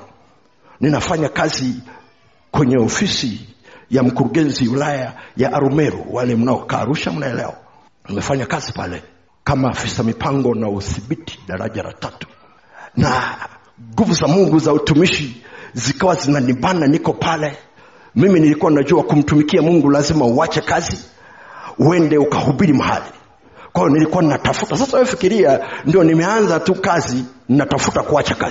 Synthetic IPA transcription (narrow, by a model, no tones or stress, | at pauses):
ninafaɲakazi | kwɛɲɛɔfisijam̩kuɾuɠɛnziulajajaʔaɾumɛɾṵwalɛm̩naɔka̰ːɾuʃam̩naɛlɛ̰wa̰ | nimɛfaɲakazipa̰lɛ | kamaːfisamipʰaŋɡɔnauθiɓitʰi̥ɗaɾa̰ʄaɾa̰tatu̥ | na | ɡuvuzamuŋɡuzautumiʃizikawazinanibananikɔpʰalɛ | miminilikuwaninaʄuakum̩tumikiamuŋɡulazimauat͡ʃɛkazi | uɛndɛukahuɓiɾimaha̰li | kwajijɔnilikuwaninatafutasasafikiɾiandijɔnimɛanzatukazininatafutakuat͡ʃaka̰zi